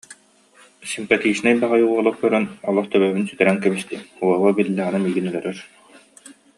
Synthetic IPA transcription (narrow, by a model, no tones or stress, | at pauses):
simpat̪iːsnajbaʁajuɔlˠɔk̚kœɾœnɔlˠɔχt̪œβœβynsyt̪ɛɾæŋkɛbist̪iuɔwɔbilʲːæʁanamiːɡinœlœɾœɾ